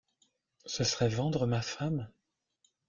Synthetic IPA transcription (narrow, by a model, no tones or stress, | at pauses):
səsəʁɛvɑ̃d̪ʁəmafam